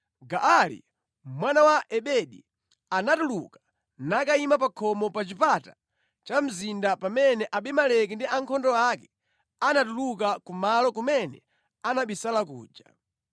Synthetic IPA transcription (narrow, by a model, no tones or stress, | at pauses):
ɡaʔalḭ | mwanawaʔɛɓɛɗi | anatuluka | nakaimapakʰɔmɔpat͡ʃipata | t͡ʃam̩zindapamɛnɛʔaɓɛmalɛk̬indiaŋkʰɔndɔakɛ | anatulukakumalɔkumɛnɛ̰ | anaɓisalak̬ṵːd͡ʒa̰